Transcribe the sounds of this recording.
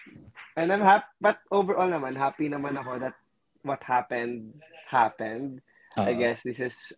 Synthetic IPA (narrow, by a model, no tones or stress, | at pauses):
ʔɛnd̪ajmhapbɐt̪̚ʔoːbɛɹʔolnɐmanɦaːpinɐmanɐko̞d̪ɐt̪̚ | wɔt̪̚hapɛ̃nd̪̚hapɛ̃nd̪̚ | ajɡɛsd̪ɪsɪs